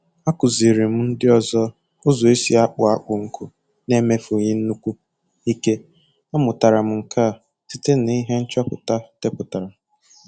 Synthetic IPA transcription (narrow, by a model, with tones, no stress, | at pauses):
a˦kʊ˨zi˨ɾi˨m̩˦n̩˦dɪ˦ɔ˦zɔ˦ | ʊ˦zɔ˨e˦si˦a˦k͡pʊ˨a˦k͡pʊ˨ŋ̩˦kʰʊ˦ | ne˦me˦fʊ˨ɲɪ˦n̩˦nu˦kʷu˦ | i˦ke˦ | a˦mʊ˨ta˨ɾa˨m̩˨ŋ̩˨ka˦˨ | ti˦te˦n˦˨˦i˦ɦe˦n̩˦t͡ʃa˦pʊ̰˨ta˦te˦pʊ˨ta˨ɾa˨